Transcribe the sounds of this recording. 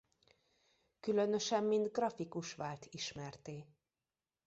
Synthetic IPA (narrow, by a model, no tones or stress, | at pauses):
kylø̞nø̞ʃɛmːind̪ɡrɒfikuʃʋaːlt̪ʰiʃmɛrt̪eː